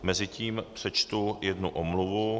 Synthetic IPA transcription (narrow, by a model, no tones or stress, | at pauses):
mɛzɪciːmpr̝̥ɛt͡ʃt̪ujɛdnuʔomluvu